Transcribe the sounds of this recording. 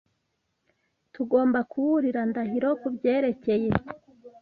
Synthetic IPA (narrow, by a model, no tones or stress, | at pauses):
tuɡo̞ːmbakʰuβuɾiɾandaɦiɾo̞kubɟe̞ːɾe̞ce̞je̞